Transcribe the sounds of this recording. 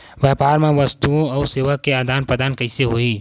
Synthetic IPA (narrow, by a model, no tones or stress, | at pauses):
ʋjɛːpaːɾmẽʋəst̪uõɔːɾseːʋəkːeaːd̪ʱaːnpɾəd̪ʱaːnkəɪseɦoi